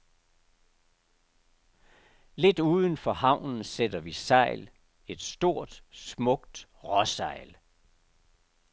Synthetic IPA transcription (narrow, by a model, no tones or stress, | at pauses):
le̝d̥uːð̞ˠən̩fɒ̽hɑ̈ʊ̰nn̩sed̥ɐʋisɑ̈ɪl | e̝d̥sd̥o̝ɐ̰d̥smɔ̽ɡ̥d̥ | ʁɒsɑ̈ɪ̰l